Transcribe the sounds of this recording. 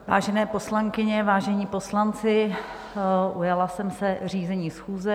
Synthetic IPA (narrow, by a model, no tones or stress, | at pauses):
va̰ːʒɛnɛːpo̞slaŋkɪɲɛvaːʒɛɲiːpo̞slant͡sɪ | ʔujalasɛmsɛriːzɛɲiːsxuːzɛ